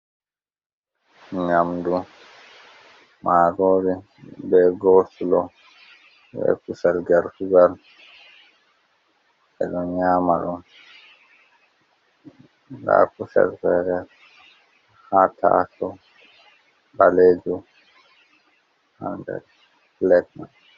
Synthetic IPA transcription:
ɲamdu | mʔaːɾoːɾi | bɛɡɔsulɔ | wɛ̰kusalɡaɾfuɡal | ɛɗɔɲaːmaɗum | ɡa̰ːkusa̰lfɛːɾɛ | hatʰa̰sɔ | baleːd͡ʒu | handɛ̰ | flɛt̚nan

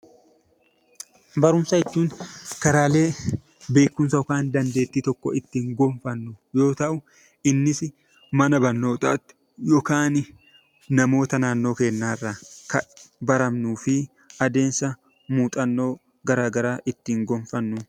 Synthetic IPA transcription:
bɐɾʊmsɐɛt͡ʃːuːŋkɐɾaːle̞ː | be̞ːkːʊnsɐjɔkaːnd̪ɐnd̪e̞ːt̪ːiːt̪ɔkːɔɪt̪ːiːŋɡɔɱfɐnːʊjo̞ːt̪ɐʔʊ | ɪnːɪsɪ | mɐnɐbɐnːo̞ːt̪ʼɐt̪ːɪ̥ | jɔkaːn | nɐmo̞ːt̪ɐnaːnːo̞ːke̞ːnːaːrːakɐbɐɾɐmnuːfɪ | ɐd̪e̞ːnsɐ | muːt̪ʼɐnːo̞ː | ɡɐɾaːɡɐɾaːʔɪt̪ːiːŋɡɔɱfɐnːʊ

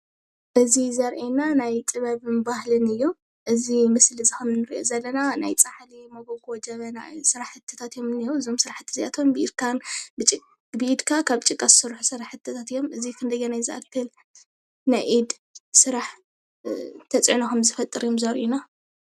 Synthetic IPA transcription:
ʔɨzizɐɾʔenanajt̪ʼɨβɐβɨnbahlɨnɨjːo | ʔɨzimɨslɨzɨxɐmnɨɾiʔo̰zɐlːɐnanajt͡sʼaħalimoɡoɡod͡ʒɐβɐna̰sɨɾaħɨt̪ʰːɐ̥t̪ʰat̪jo̞mnijoɨzo̞msɨɾaħɨt̪ʰɨzia̰t̪ʰonbɨʔid̪kʰanbɨt͡ʃʼ | bɨʔid̪kʰakʰaβt͡ʃʼɨkʼːassɨɾħusɨɾaħɨt̪ʰːɐt̪ʰat̪ɨjːo̞mʔɨzikʰɨnd̪ɐjːonajzɨʔa̰kʰːɐl | najʔid̪ | sɨɾaħ | t̪ʰɐt͡sʼʕnakʰɐmzɨfɐt̪ʼɨɾijomzɐɾʔina

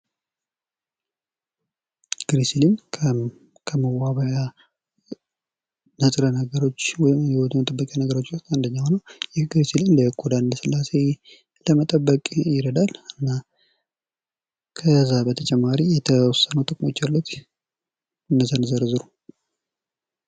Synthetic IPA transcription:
ɡ̥ɾisilimʰ | kʰəməwaβəja | nəsʼɾənəɡəɾo̞t͡ʃːwɔjɪmjɛwot̪ʰumət̪ʼəbːəkʼjanəɡəɾo̞t͡ʃːst̪and̪əɲːawnəwjɛɡɾisilimləkʰʼod̪and̪əsɨlːase̞ | ləmət̪ʼəbːəkʼjɪɾəd̪alɨnːa | kʰəzabət̪ʰət͡ʃʼɛmːaɾijɛt̪ʰəwɔsːənut̪ʼɨkʼmo̞t͡ʃːalːut̪ | ɨnːəzənzəɾzɨɾu

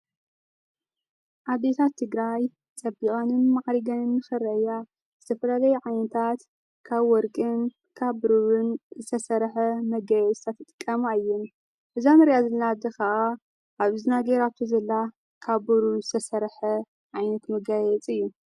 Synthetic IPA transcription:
ʔad̪et̪ʰat̪ʰːɨɡɾaj | t͡sʼɐbikʼanɨnmaʕɾiɡɐnɨnːɨxɨɾɐja | zɨt̪ʰɐfɐlalɐjuʕajnɐt̪ʰat̪ | kʰaβwɔɾkʼɨn | kʰaβɨɾuβɨnzɨt̪ʰɐsɐɾħɐmɐɡajɛt͡sʼɨt̪ʰat̪ʰːɨt̪ʼɨkʼːɐmaɨjːun | ʔɨzamɨɾjazɨlnad̪ɐkɐʔa | ʔaβɨzɨnaɡeɾaβt̪ʰozɐlːa | kʰaβɨɾuzɨt̪ʰɐsɐɾħɐ | ʕajnɐt̪mɐɡajɛt͡sʼɨjːu

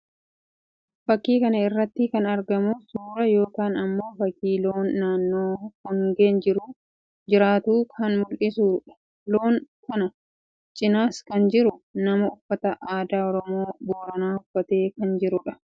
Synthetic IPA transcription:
fɐkːiːkɐnɐɪrːɐt̪ːɪkɐnɐɾɡɐmʊsuːɾɐjo̞ːkaːnɐmːo̞ːfɐkiːloːnːaːnːoːhɔŋɡeːnd͡ʒɪɾu | d͡ʒɪɾaːt̪uːkʰɐnmʊlʔɪsuːᶑɐ̥ | lo̞ːŋkʊnɐ | t͡ʃʼɪnaːskɐnd͡ʒɪɾʊnɐmɐʊfːɐt̪ɐʔaːd̪aːɔɾɔmo̞ːboːɾɐnaːʊfːɐt̪e̞ːkɐnd͡ʒɪɾʊᶑɐ̥

